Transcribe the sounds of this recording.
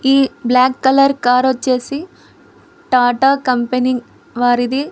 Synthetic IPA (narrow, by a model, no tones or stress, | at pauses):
iːblaːkːɐlɐɾkaːɾɐt͡ʃːe̞ːsi | ʈaːʈaːkɐmpeniŋ | ʋaːɾid̪i